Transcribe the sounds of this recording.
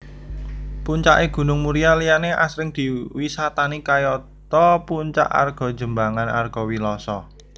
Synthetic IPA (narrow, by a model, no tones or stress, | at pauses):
puɲt͡ʃaʔeɡ̥ṳnʊŋmuɾialijaneʔa̰sɾɪŋd̪̥i̤wisat̪anikajɔ | t̪ɔpuɲt͡ʃa̰ʔa̰rɡ̥ɔ̤̥ʒ̥ə̤mbaŋana̰rɡ̥ɔ̤wilɔsɔ